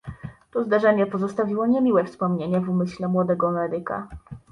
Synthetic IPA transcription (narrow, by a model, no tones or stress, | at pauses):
t̪ɔzd̪aʐɛɲɛpɔzɔst̪avʲiwɔɲemʲiwɛfspɔmɲeɲɛvumɘɕlɛmwɔd̪ɛɡɔamɛɾɘka̰